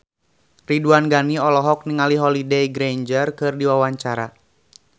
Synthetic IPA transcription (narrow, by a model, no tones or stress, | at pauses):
riduanɡaniɔlɔɦɔk̚niŋaliɦɔlidejɡɾeɲd͡ʒərkɨrdiwawaɲt͡ʃaɾa̰